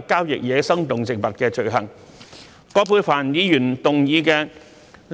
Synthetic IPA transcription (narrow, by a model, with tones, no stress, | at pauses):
kaː˥wjɪ̰˨k̚jɛː˨˧sɐ˥ŋt̪ʊ˨ŋt͡sɪ˨˩k̚pɐ˨t̚kɛː˧t͡ʃɵ˨˩ɥɦɐ˨˩ŋ | kɔː˨˥pʰuː˧jfaː˨˩njiː˨˧jyː˨˩nt̪ʊ˨ŋjiː˨˧kɛː˧ | l